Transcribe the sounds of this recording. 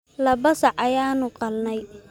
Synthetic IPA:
lɐbɐsɑʕɐjaːnʊqɑlnɛj

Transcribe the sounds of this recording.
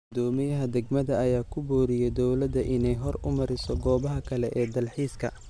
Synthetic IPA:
ɡʊd̪ɔːmɪjɐɦɐd̪ɐɡmɐðɐːjaːkʰʊbɔːɾɪjɛd̪ɔwlɐd̪ɐʔɪnɛjɦɔrʊmɐɾɪsɔɡɔːβɐɦɐkʰɐlɛʔɛːd̪ɐlħiːskʰɐ̰

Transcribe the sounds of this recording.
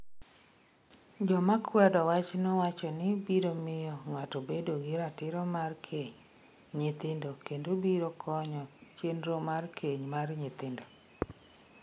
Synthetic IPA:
d͡ʒɔmakʰwɛdɔwat͡ʃnowat͡ʃɔnɪbiɾomɪjɔŋatobedoɡɪɾatɪɾɔmarkʰeɲ | ɲɪt̪ɪndokendobiɾokʰɔɲɔt͡ʃenɾomarkʰeɲmarɲɪt̪ɪndo

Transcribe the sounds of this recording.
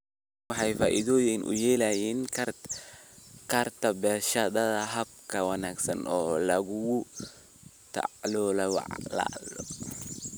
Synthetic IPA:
wɑħɑjfaːʔiðɔːjɛnʔʊ̰jɛːlɐjɛːnʰ | kʰɐrt̪ʰɐbɛːʃɐðɐðɐɦɐb̚kʰɐwɑnaːɡsɐnʔɔːlɐɣʊɣʊ | t̪ʰa̰ʕlɔːlɐwɑ̰ʕla̰lɔ

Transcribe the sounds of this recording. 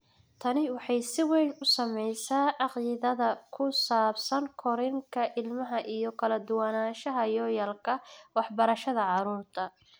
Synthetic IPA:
t̪ʰɐnɪwɑħɑjsɪwɛjnʊsɐmɛjsaːʕɑqiːðɐðɐkʰʊsaːbsɐŋkʰɔɾɪŋkʰɐʔɪlmɐɦɐʔijɔkʰɐlɐd̪ʊwanaːʃɐɦɐjɔːjɐlkʰɐwɑħbɐɾɐʃɐðɐʕɑɾuːrt̪ʰɐ

